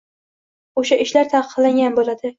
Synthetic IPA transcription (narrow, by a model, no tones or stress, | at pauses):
oʃaʔɪʃlaɾt̪ʰɑqʰɨ̥qlaŋʲanbolad̪̥ɪ